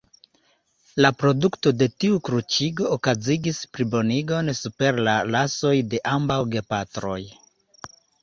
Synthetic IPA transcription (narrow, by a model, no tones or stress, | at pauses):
lapɾo̞dukto̞de̞tiukɾut͡ʃiɡo̞ːkaziɡispɾibo̞niɡo̞nsupe̞ɾlalaso̞jde̞ʔambawɡe̞patɾo̞̰j